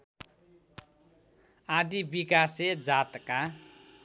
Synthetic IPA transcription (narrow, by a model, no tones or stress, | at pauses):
ad̪ibikased͡zat̪ka